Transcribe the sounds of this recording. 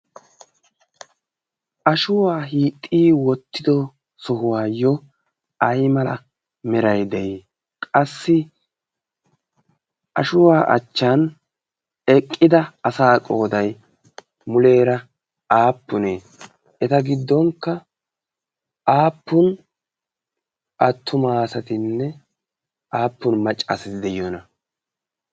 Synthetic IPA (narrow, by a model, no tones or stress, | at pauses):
ʔɐʃʊwaːɦiːt̪ʼːiːwɔt̪ːɪd̪ɔ | sɔɦʊwaːjːɔ | ɐjmɐlɐ̰ | mɛɾɐjd̪ɛjː | kʼɐsːɪ | ʔɐʃʊwaːʔɐ̰t͡ʃːan | ɛkʼːɪd̪ɐɐsaːkʼo̞ːd̪ɐj | mʊle̞ːɾɐ | aːpːʊneː | ɛt̪ɐɡɪd̪ːɔŋkːɐ | ʔaːpːʊn | ʔɐt̪ʰːʊmaːsɐt̪ɪnːɛ | ʔaːpːʊnmɐt͡ʃʼːa̰ːsɐt̪ɪd̪ɛjonɐ